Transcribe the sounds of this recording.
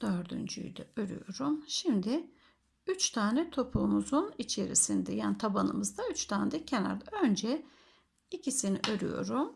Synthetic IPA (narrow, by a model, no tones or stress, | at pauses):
d̪̥ø̞ɾd̪y̰nd͡ʒy̰jd̪ɛ̰øɾy̰jo̞̰ɾumʃimd̪ɪ | yt͡ʃt̪ʰaːnɛt̪ʰo̞pʰlˠumuzunit͡ʃʰe̞ɾḭsind̪ɛjaːnit̪ʰabanɯmɯzd̪ayt͡ʃt̪ʰaːnd̪ɛcʰe̞na̰ɾd̪aø̞nd͡ʒɛ | icisiniʔø̞ɾy̰jo̞̰ɾum